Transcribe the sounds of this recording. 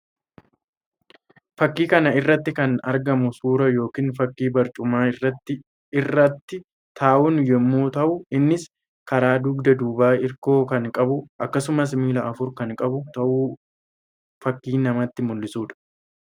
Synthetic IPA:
fɐkːiːkɐnɐɪrːɐt̪ːɪkɐnɐ̰ɾɡɐmʊsuːɾɐjo̞ːkiːnfɐkːiːbɐɾt͡ʃʼʊmaːɪrːɐt̪ːɪ | ɪrːɐt̪ːɪ | t̪ʰaːʔʊnjɛmːoːt̪ɐʔʊɪnːɪs | kɐɾaːd̪ʊɡd̪ɐd̪uːbaːɪɾko̞ːkɐŋkʼɐbʊʔɐkːɐsʊmɐs̬miːlɐʔɐfʊɾkɐŋkʼɐbʊt̪ɐʔuː | fɐkːiːnɐmɐt̪ːɪmʊlːɪsuːᶑɐ̥

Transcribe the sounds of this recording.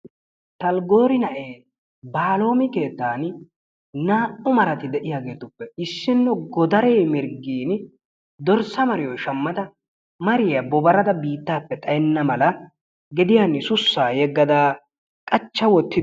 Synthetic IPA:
t̪ɐlɡo̞ːɾɪnɐʔeː | baːlo̞ːmɪke̞ːt̪ːaːn | naːʔʊmɐɾɐt̪ɪd̪ɛʔɪjaːɡe̞ːt̪ʊpːɛɪsːɪnːɔɡɔd̪ɐɾeːmɪɾɡiːn | d̪ɔɾsɐmɐɾɪjɔjʃɐmːɐd̪ɐ | mɐɾɪjɐbɔbɐɾɐd̪ɐbiːt̪ːaːpːɛt̪ʼɐjɛnːɐmɐlɐ | ɡɛd̪ɪjanːɪsʊsːaːjɛɡːɐd̪aː | kʼɐt͡ʃːɐwɔt̪ːɪ

